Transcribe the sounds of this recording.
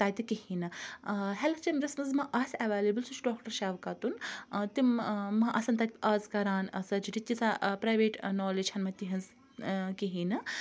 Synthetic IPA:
t̪aːt̪ikihinɨɦɛlɐt͡ʃɐmʲɾɐsmɐzmɐʔɐsɐʋaːlebɨlsut͡ʃʰɖoːkʈɐɾʃaːʋkɐt̪unt̪immːɐʔɐsɐnt̪at̪ʲɐzkɐɾaːnɐsɐd͡ʒiʈit̪ʲːit͡sapɾaːjʋeːʈnɔːled͡ʒhɐnmɐt̪iɦɐnz | kiɦiːnɨ

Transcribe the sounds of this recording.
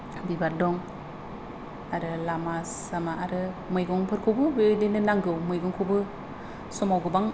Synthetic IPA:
bibaɾ̚dɔŋ | aɾɯlamasamaaɾɯ | mɯjɡɔŋpʰɯɾkʰɯbɯbeɯdenɯnaŋɡɯwmɯjɡɔŋkʰubɯ | sɔmawɡɯbaŋ

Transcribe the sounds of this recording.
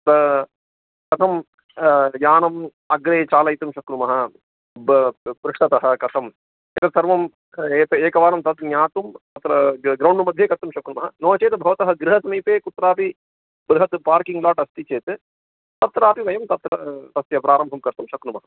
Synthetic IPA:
t̪ɐ | kɐt̪ʰɐm | jaːnɐm | ɐɡɾeːt͡ʃaːlɐjt̪umʃɐkɾumɐɦɐ̆ | pɾuʂʈɐt̪ɐɦɐ̆kɐt̪ʰɐm | ɐk̪ɐsɐɾʋɐm | eːt̪ɐeːkɐʋaːnɐmt̪ɐt̪njaːt̪umt̪ɐt̪ɾɐɡɾɐwɳɖumɐd̪ʱjeːkɐt̪ːumʃɐkɾumɐɦɐnoːɐt͡ʃeːt̪bʱɐʋɐt̪ɐɦɐɡɾɪɦɐsɐmiːpeːkut̪ɾaːpi | bɾɪɦɐt̪paːɾkiŋɡlaːʈɐst̪it͡ʃeːt̪ɨ | t̪ɐt̪ɾaːpiʋɐjɐmt̪ɐt̪ːɾɐt̪ɐsjɐpɾaːɾɐmbʱɐmkɐɾt̪umʃɐkɾumɐɦɐ

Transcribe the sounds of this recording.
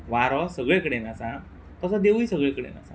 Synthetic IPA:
ʋaɾɔsəɡɭekəɽenasã | t̪əsad̪eʋisəɡɭekəɽḛna̰sa̰

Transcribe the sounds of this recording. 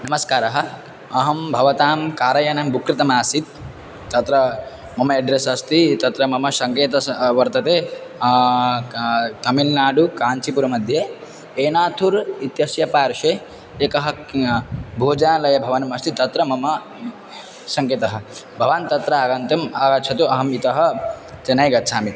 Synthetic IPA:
nɐmɐskaːɾɐɦɐ̆ | ɐɦɐmbʱɐʋɐt̪aːmkaːɾɐjɐnɐmbukɾit̪ɐmaːsit̪ː | ɐt̪ɾɐ | mɐmɐeɖɾesɐst̪it̪ɐt̪ɾɐmɐmɐsɐŋkeːt̪ɐʋɐɾt̪ɐt̪eː | t̪ɐmilnaːɖukaːɲt͡ʃipuɾɐmɐd̪ʱje | eːnaːt̪ʰuɾit̪jɐsjɐpaːɾʃe | eːkɐɦɐ̆ | bʱoːd͡ʒanlɐjɐbʱɐʋanɐmɐst̪it̪ɐt̪ɾɐmɐmɐ | sɐŋkeːt̪ɐɦɐ̆ | bʱɐʋaːnt̪ɐt̪ɾɐaːɡɐnt̪ɐmaɡɐt̪ːt͡ʃʰɐt̪uʔɐɦɐmit̪ɐɦɐ̆t͡ʃ̪enɐjɡɐt̪ːt͡ʃʰaːmit̪

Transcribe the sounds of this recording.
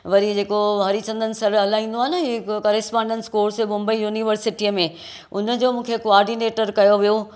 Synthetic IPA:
ʋɐɾid͡ʑeːkoʋɐɾit͡ɕɐ̃nd̪ənɪ̆sɐɾɐlaɦĩːnd̪oaːɦenɐɦikɐːɾɪspãːɳɖə̃nskoːɽsemʊ̃mbəijuːniʋəɾsɪʈimẽ | ʊnə̆d͡ʑoːmũːkʰekoaːɾɖineːʈəɾkɐjoʋijo

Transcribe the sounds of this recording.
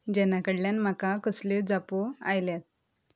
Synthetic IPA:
d͡ʑɛnakəɽljanm̤akakəsled͡zapoa̰jljat̪̚

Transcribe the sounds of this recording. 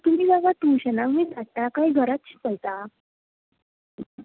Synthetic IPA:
t̪um̤iːɡaɡaʈuɕənakmiːt͡saʈakaiɡʱəɾat̪ɕi̥ːpəjt̪a

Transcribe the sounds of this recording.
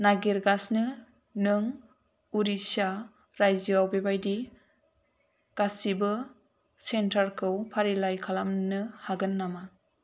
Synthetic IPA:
naɡiɾɡasnɯ | nɯŋ | uɾisa | ɾajziawbebajdi | ɡ̥asibɯ | sentʰaɾkʰɯwpʰaɾilajkʰalamnɯhaɡɯnːama

